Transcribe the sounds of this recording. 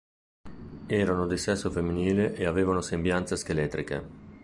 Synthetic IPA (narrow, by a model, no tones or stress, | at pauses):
ɛːɾanod̪isɛsːofemːiniːleʔeaveːvanosembjant̪sesk̟elɛt̪ːɾikḛ